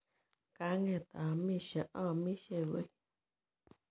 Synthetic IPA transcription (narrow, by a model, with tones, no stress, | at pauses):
ka˦ŋẽ˦˧˨t̪a˨˧mĩ˦ʃa˧ʔã˦˨mĩ˦ʃe˧βi˧˦